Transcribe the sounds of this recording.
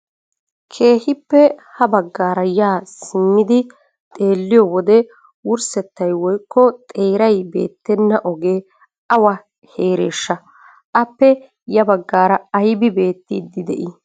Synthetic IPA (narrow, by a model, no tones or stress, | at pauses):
kʰe̞ːhɪpːɛhɐbɐɡːaːɾɐjaːsɪmːɪd̪ɪ | t̪ʼe̞ːlːɪjɔwɔd̪ɛ | wʊɾsɛt̪ːɐjwɔjkːɔt̪ʼe̞ːɾɐjbe̞̰ːt̪ːɛnːɐʔɔɡeː | ɐwɐ | he̞ːɾeːʃːɐ | ʔɐpːɛ | jɐbɐɡːaːɾɐɐjbɪbe̞ːt̪ːɪd̪ːɪd̪ɛ̰ʔɪ